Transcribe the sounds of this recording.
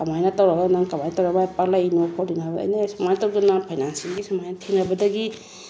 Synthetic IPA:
kamajnatawɾabanaŋkamajntawɾabapaklainpʰɔdina̰ːjnasamajtawdananpʰajnansiɡisamajnatʰiŋɾabadaɡi

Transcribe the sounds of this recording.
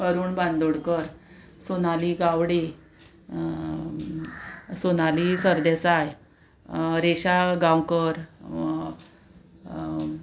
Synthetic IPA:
əɾuːnbãnd̪oɽkəɾ | sonaliɡaʋɽe | sonalisəɾd̪esaj | ɾeɕaɡãwkəɾ

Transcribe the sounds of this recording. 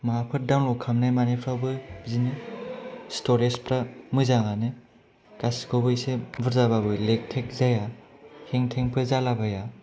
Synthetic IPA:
maapʰɯt̚dawnlɔkʰamnajmanipʰɾawbɯzinɯ | stoɾespɾamɯzaŋanɯ | kaskʰobɯjsebɯɾzababɯlek̚tʰek̚zajaheŋtʰeŋpʰɯzalabaja

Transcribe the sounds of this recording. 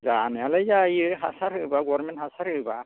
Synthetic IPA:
zanɯalajzajɯɦasaɾɯbaɡɔɾmenthasaɾhɯba

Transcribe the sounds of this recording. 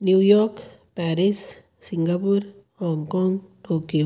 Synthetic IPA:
njujokpaɾis | siŋɡapuɾ | hoŋkoŋt̪uki

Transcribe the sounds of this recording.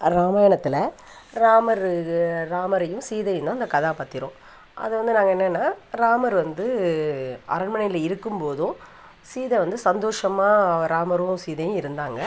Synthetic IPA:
ɾaːmaːjɐɳɐt̪ːɪlɐ | ɾaːmɐɾɾaːmɐɾɐjɯ̃siːðɐjɯ̃nd̪ãːɪnd̪ɐkɐðaːpaːɾt̪ɪɾõː | ʔɐ̰ðɯʋɐnd̪ɯnaːŋɡɐɛnːɐnːaːɾaːmɐɾʋɐnd̪ɯ | ʔɐ̰ɾɐɳmɐɳɐjɪlɐɪɾɯkːɯmpoːðʊ̃ | siːðɛʋɐnd̪ɯsɐnd̪oːʂɐmaːɾaːmɐɾʊ̃siːðɐjʊ̃ɪɾɯnd̪aːŋɡɐ

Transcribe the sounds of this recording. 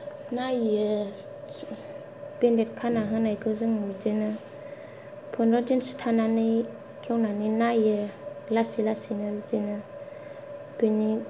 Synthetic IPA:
najɯ | b̥endet̚kʰanaɦɯnajkʰɯzɯŋɾuzɯnɯ | pʰɯnɾɔdinstʰananɯ | kʰewnaninajɯlasilasinɯɾuzɯnɯ | b̥eni

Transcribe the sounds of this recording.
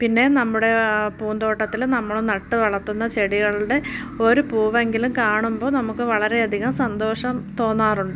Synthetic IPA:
pinːe̞nɐmːuɽe̞puːnd̪o̞ːʈːɐt̪ːilnɐmːɐɭnɐʈːɨʋɐɭɐt̪ːunːɐt͡ɕe̞ɽiɣɐɭuɽe | o̞ɾupuːʋɐeŋɡilumkaːɳumbo̞ːnɐmukːɨʋɐɭɐɾe̞ɐd̪ʱiɣɐmsɐnd̪o̞ːʂɐmt̪o̞ːnːaːruɳɖɨ

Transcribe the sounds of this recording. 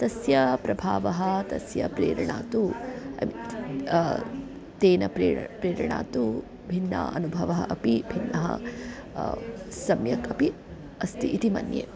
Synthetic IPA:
t̪ɐsjɐpɾɐbʱaːʋɐɦɐt̪ɐsjɐpɾeːɾɐɳaːt̪uɐ̰mi | t̪eːnɐpɾḛːpɾeːɾɐɳa̰ːt̪u | bʱinːɐ̰ɐ̰nubʱɐʋɐɦɐʔɐpibʱinːɐɦɐ̰ | sɐmjɐkɐpi | ɐst̪iʔit̪imɐ̰njḛː

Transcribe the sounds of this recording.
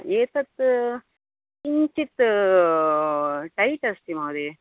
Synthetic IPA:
eːt̪ɐt̪ː | iɲt͡ʃit̪ːɨ | ʈɐjʈɐst̪imɐːɾi

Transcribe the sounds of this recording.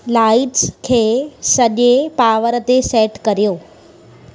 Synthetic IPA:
laːɪʈskʰeːsɐʄepaːʋəɾət̪eseːʈkɐɾijoː

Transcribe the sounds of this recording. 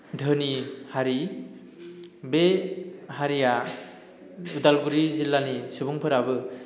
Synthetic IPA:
dʱɯnihaɾi | behaɾija | udalɡuɾizilːanisɯbuŋpʰɯɾabɯ

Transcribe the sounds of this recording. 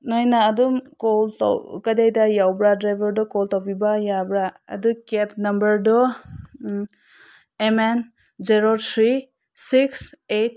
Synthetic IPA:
najnaːdumkɔlta̰wkajdajdajawbɾadɾajbʱɔɾdɔkɔltawpibajabɾa̰ːdukep̚nɐmbɐɾdɔ | emen | d͡ʒeɾɔɾt̪ʰɾi | sikset̚

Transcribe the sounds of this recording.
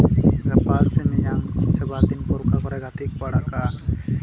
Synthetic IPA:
ɾɛpalsɛmɛjaŋsɛbat̪inpɔɾkakɔɾɛɡat̪ʰik̚baɽaka

